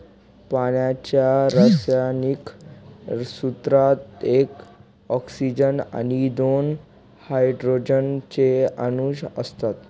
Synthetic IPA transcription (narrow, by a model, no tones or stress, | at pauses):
paɳjat͡ɕjaɾəsjanik | sut̪ɾat̪ek | ɔksid͡ʑəna̰nid̪on | hajɖɾod͡ʑənt͡ɕeənuɕəst̪at̪